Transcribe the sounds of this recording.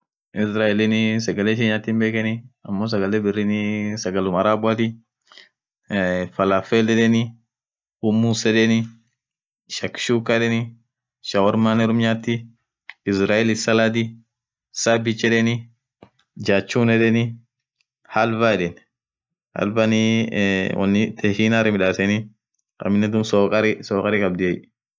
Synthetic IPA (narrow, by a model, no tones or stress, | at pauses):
ɪsɾaːɛlɪnɪsɐɡɐleːʃ̬ɛɲaːt̪ːiːmbeːkɛnɪɐmːoːs̬ɐɡɐlɛːbɪrːɪnɪsɐɡɐlʊmɐɾaːbʊat̪ɪ | fɐlafelɛᶑɛnɪ | ʊmːusɛᶑɛnɪ | ʃɐkːɪ̥ʃuːkːaᶑɛnɪ | ʃɐwɾmaːnɛɾʊmɲaːt̪ːi | ɪsɾaːɛlɪsɐlad̪i | sabɪt͡ʃːɛᶑɛnɪ | d͡ʒaːt͡ʃːuːnɛᶑɛnɪ | hɐlbaɛᶑɛn | hɐ̰lbani | wɐ̰nːɪt̪ʰɛʃiːnaːɾɪmɪᶑaːsɛnɪ | kʼɐ̰mːɪnːɛt̪ʊmsɔkʼɐɾɪsɔːkʼɐɾɪkʼɐb̚d̪ɪɛj